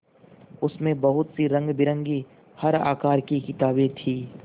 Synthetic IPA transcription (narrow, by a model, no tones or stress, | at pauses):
ʊsmẽbɐɦʊt̪siɾɐ̃ŋɡbɪɾə̃ŋɡi | hɐɾa̰ːkaːɾkikɪt̪aːbet̪ʰiː